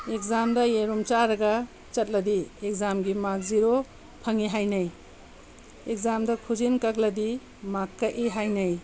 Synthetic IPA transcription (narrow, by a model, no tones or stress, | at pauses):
ekzamdɐjeɾumt͡ʃaɾɐɡɐ | t͡ʃɐt̚lɐdiek̚zamɡimak̚ziɾo | pʰɐŋiɦajnɐj | ek̚zamdɐkʰuzinkak̚lɐdi | makːɐʔiɦajnɐj